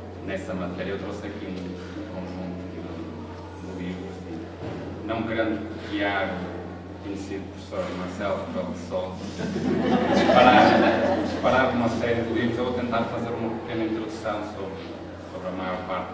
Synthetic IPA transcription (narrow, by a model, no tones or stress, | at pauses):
nɛsɐmɐt̪ɛɾjɐewt̪ɾosɐkiũ | ũkõʒũnt̪uɐkiðu | d̪ulˠivɾɐsĩ | nɐ̃w̃kɾɐ̃nd̪ðiaɣu | kuɲɨsiðupɾfsoɾɐðmɐɾsɛlˠpɔsɔ | d̪iʃpɐɾad̪iʃpɐɾaɾumɐsɛɾjɨðɨlˠivɾuzewvot̪ẽnt̪aɾfɐzeɾumɐpɨ̥kenɐĩnt̪ɾuðusɐ̃w̃soβɾ | soβɾɐmajɔɾpaɾt̪